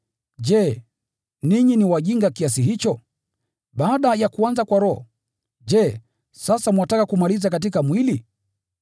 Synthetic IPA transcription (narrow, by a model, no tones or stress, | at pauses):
d͡ʒɛ | niɲiniwaʄiŋɡakias̬iɦit͡ʃɔ | ɓaːɗajakuanzakwaɾɔɔ̰ | d͡ʒɛ | sasamwatakakumalizakat̬ikamwili